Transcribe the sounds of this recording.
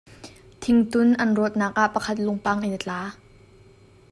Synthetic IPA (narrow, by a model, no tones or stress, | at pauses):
t̪ʰɪŋt̪ʊnʔɐnruət̪̚naːk̚ʔaʔpɐkʰɐt̪̚lʊŋpaŋʔinɐt͡ɬaː